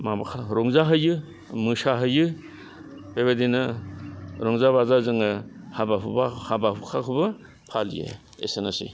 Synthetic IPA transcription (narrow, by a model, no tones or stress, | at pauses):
mabakʰaɾɔŋzaɦɯjɯ | mɯsaɦɯjɯ | b̥ebadinɯ | ɾɔŋzaβazazɯŋɯhabapʰubahabapʰukʰakʰɯbɯ | pʰalḭjḛ | ḛsenasḭ